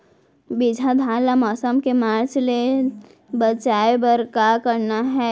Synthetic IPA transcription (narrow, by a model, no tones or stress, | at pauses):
bid͡ʒʱad̪ʱaːlamɔːsəmkemaːɾt͡ʃle | bət͡ʃaːebəɾkakəɾnaɦɛː